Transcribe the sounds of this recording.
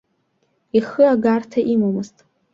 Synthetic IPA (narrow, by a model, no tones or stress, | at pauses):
iχɨaɡartʰaʔimomɨztʼ